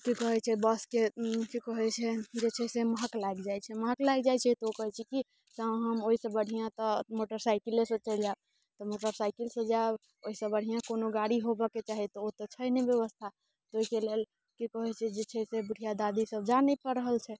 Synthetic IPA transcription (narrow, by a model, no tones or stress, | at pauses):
kikɔɦɛt͡ʃʰɛbəskekikəɦɛt͡ʃʰɛd͡ʒet͡ʃʰɛseməɦəklaɡd͡ʒajt͡ʃʰɛməɦəklaɡd͡ʒajt͡ʃʰɛt̪ɔokɔɦɛt͡ʃʰɛki | sãɦəmoɦisəbəɽ̤ʱijãt̪ɔmoʈəɾsaɪkilesə̃t͡ʃəld͡ʒab | t̪ɔmoʈəɾsajkilsə̃d͡ʒaeb | oisəbəɽ̤ijãkonoɡaɽiɦobɛket͡ʃaɦit̪ɔot̪ɔt͡ʃʰəjnebjeβəst̪ʰa | t̪oɦikelel | kikəɦɛt͡ʃʰɛd͡ʒet͡ʃʰɛsebuɽ̤ʱijad̪ad̪isəb̚d͡ʒanɛpəɾəɦəlt͡ʃʰɛ